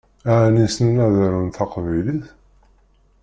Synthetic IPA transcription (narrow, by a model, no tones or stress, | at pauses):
æʕnisnnæðəɾunθɑqvæjliθ